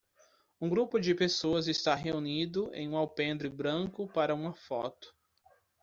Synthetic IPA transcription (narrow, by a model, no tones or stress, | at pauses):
ũɡɾupʊd͡ʒɪpesoɐzɪst̪aɦeunid̪ʊḛ̃j̃ũawpẽnd̪ɾɪbɾɐ̃kʊpaɾɐũmɐfɔ̰t̪ʊ̥